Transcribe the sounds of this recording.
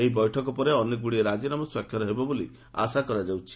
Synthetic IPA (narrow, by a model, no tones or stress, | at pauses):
eɦibɔjʈʰɔkɔpɔɾeɔneɡuɽieɾad͡ʒinamɔswakʰjɔɾɔɦebɔbolḭ | a̰sakɔɾad͡ʒawt͡ʃʰi̥